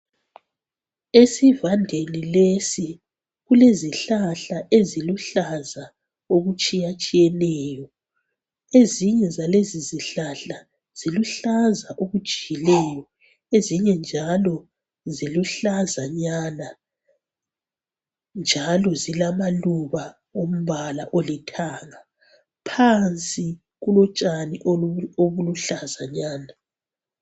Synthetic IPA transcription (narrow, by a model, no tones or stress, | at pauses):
esivandʱenilesi | ɣuleziɬaɬaʔeziluɬaza | oɣut͡ʃʼijat͡ʃʼijɛnɛːjɔ | eziɲɛzaleziziɬaɬa | z̥iluɬazaʔoɣud̥ʒ̥ʱiɣilɛːjɔ | eziɲɛnd͡ʒʱalɔ | ziluɬazaɲaːna | nd͡ʒʱalɔzilamaluβa | om̩βalaʔolitʰaːŋa | pʰant͡sʼi | ɣulɔt͡ʃʼaniʔoβuluɬazaɲaːna